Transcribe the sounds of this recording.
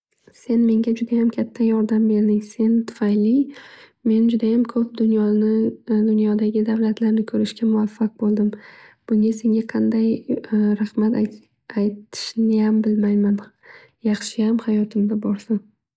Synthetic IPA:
se̞nme̞ŋɡʲad͡ʒʊd̪ajamkʲʰat̪ʰːajɒɾd̪ambe̞ɾd̪ɪŋse̞nt̪ʰʊ̥fajlɪ | me̞nd͡ʒʊd̪ajamkʰɵp̚d̪ʊnjɒnɪd̪ʊnjɒd̪aɡʲɪd̪awlat̪ʰlaɾnɪkʰɵɾɪʃkʲamʊvafːaq̚bolˠd̪ɪmb̥ʊŋʲase̞ŋɡʲaqʰɑnd̪ajɾaχmat̪a | ajt̪ʰɪ̥ʃnɪjambɪlmajman | jɑχʃɪjamhajɒt̪ʰɪmd̪abɒɾsɪm

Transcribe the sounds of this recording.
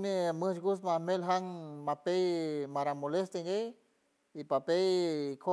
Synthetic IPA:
meməd͡ʒɡusmanelɦaŋmapejmaɾamolest̪eŋɡej | ipapejkʰo

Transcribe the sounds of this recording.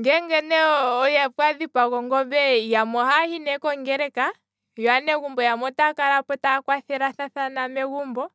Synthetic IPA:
ŋɡɛŋɡɛnɛɔjafwaðipaɣɔŋɡɔbɛjamɔhahinɛkɔŋɡɛɾɛka | jɔanɛɣumbɔjamɔtakalapɔtakwaθɛɾaθaθanamɛɣumbɔ

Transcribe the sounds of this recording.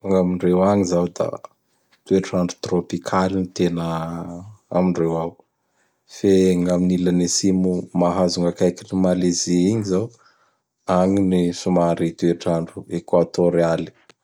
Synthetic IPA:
uŋamiɳrewaŋizawd̪a̰ | t̪ueʈ͡ʂaɳɖ͡ʐu̥t̪ropikʰalinit̪enə | a̰miɳrewaw | feŋaminilanesimumaɦazuŋɡakajkinimaleziiɲizaw | aŋinisumaɾit̪ueʈ͡ʂaɳɖ͡ʐuekwat̪oɾiali̥

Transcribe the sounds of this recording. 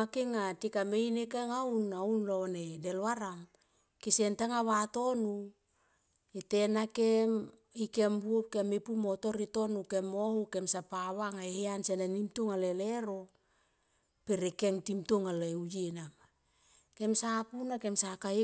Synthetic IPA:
akeŋatikamejnekeŋawnaunlonedelwaɾam | kisentaŋaβato̞nu | etenakem | ikembuop̚kemipumo̞to̞ɾito̞nukemohuke̞msapaβaŋaeheansenanimtuŋaleleɾo | peɾekeŋtimtuŋaleujenama | ke̞msapunake̞msakai

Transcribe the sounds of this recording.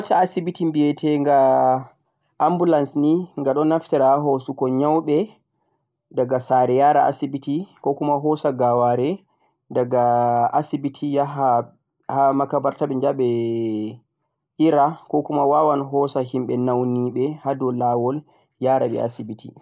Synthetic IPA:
taasibitimbijɛtʰɛŋɡa | ʔːmbulansniŋɡaɗɔnaftɛɾaaɦosukɔɲawɓɛ | daɡasaɾɛjaɾa̰a̰sibitikɔkumaɦɔsaɡawaɾɛ | daɡaasibitʰijaa | hamakabaɾtaɓɛɲd͡ʒaɓɛ | ʔiɾakɔkumawawanɦɔsahimɓɛnawniɓɛhadɔlawɔl | jaːɾaɓɛ̰a̰sibitʰi

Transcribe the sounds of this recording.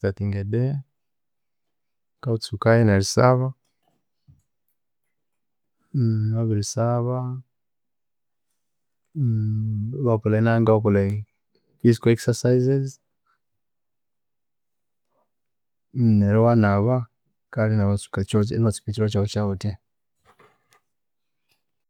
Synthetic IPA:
tatiŋɡɛdɛ | kaut͡sukajɛnaɾisaβa | waβiɾisaβa | βapɔlainaŋɡawapɔla | fizikɔɛksasaizez | neɾɔwanaβa | kalinaβat͡su̥kat͡ʃoḛnat͡ʃi̥pitiɾat͡ʃaβot͡ʃaute

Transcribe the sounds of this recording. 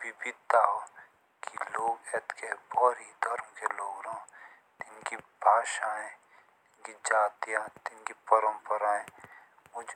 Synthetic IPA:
bɪbɪdt̪aɦ | kiloːɡɛt̪kebɔːɾid̪ʱɐɾmkeloːɡɾãː | t̪ɪnkibʱaːʃaːẽ | t̪ɪnkid͡ʒaːt̪ijat̪ɪnkipəɾə̃mpəɾaːẽ | mʊd͡ʒʱ

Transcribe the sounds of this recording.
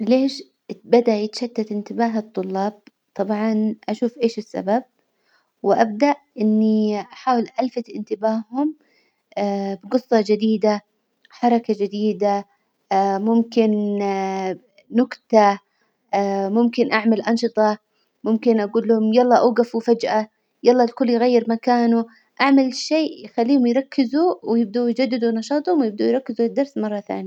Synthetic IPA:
leːʃ | bad̪aʔjɪt̪ʃat̪ːat̪ɪnt̪ɪbaːɦat̪ˤːʊlːɑːb̥̚ | t̪ˤɑbʕɑnʔaʃuːfʔeːʃɪsːa̰bab̚ | wɪʔabd̪aʔʔɪnːiʔaħaːwɪlʔalfat̪ʔɪnt̪ɪbaːhʊm | abɡɨsˤːɑd͡ʒɪd̪iːd̪a | ħɑɾˤɑkad͡ʒɪd̪iːd̪a | mʊmkɪn | nʊɡt̪a | mʊmkɪnʔaʕmalʔɑnʃɨt̪ˤɑ | mʊmkɪnʔaɡuːlːʊhʊmjɑlˤːɑːʔaɡafufad͡ʒʔa | jɑlˤːɑːlkʊlːjɣajːɪɾmakaːnu | ʔaʕmalʃeːʔjxalːiːhʊmjɾˤɑkːɪzuwjɪb̚d̪ujd͡ʒad̪ːɪd̪unɑʃɑːt̪ˤhʊmwjɪb̚d̪ujɾˤɑkːɪzud̪ːɑɾˤsmɑrˤːɑθa̰ːnja

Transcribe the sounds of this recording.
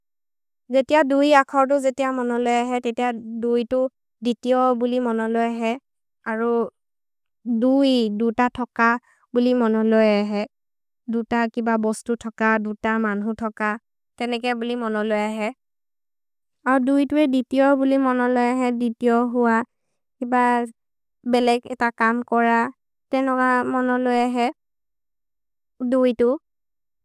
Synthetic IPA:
zetijadujakʰɔɹt̬ʊzetijamɔnɔlɔjaɦɛtetijadujtʊ | ditiɔbulimɔnɔlɔjaɦɛ | aɹu | dujdutatʰɔka | bulimɔnɔlɔjaɦɛ | dutakibabɔstutʰɔkadutamanɦutʰɔka | tɛnɛkɔbulimɔnɔlɔjaɦɛ | aɹudujtʊɛditijɔbulimɔnɔlɔjaɦɛditiɔɦʊwa | kiba | bɛlɛɡɛtakamkɔɹa | tɛnɛkamɔnɔlɔjaɦɛ | dujtʊ

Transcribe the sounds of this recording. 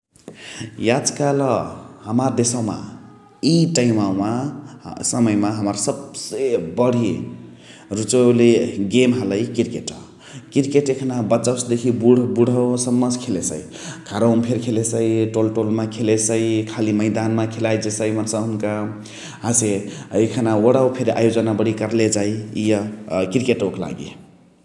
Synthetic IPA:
jad͡zkaləhəmaɾd̪esəwma̰ | iʈaɪmawma | səməjmaɦəməɾsəbsebəɽ̤ʱi | ɾut͡ʃəleɡemɦələjkiɾkeʈʌ | kiɾkeʈekʰnabət͡ʃəwsd̪ekʰibuɽbuɽ̤ʱəsəmːəd͡ʒkʰelesə̰i | kʰaɾəmpʰeɾkʰelesəjʈolʈolmekʰelesəjkʰaliməɪd̪anmakʰelajd͡ʒesəjmənsə̃ɦunka | ɦãseekʰənaəɽawpʰeɾa̰jod͡ʒənabəɽ̤ʱikəɾled͡ʒajijəkiɾkeʈokla̰ɡḭ

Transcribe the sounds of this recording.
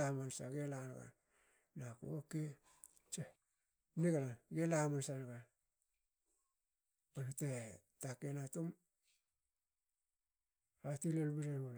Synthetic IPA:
amansaɡelanɡa̰ | nakṵoke | t͡ʃe | niɡalaɡelamansanaɡa | panatetakenatum | ɾatilelbiɾenɡula

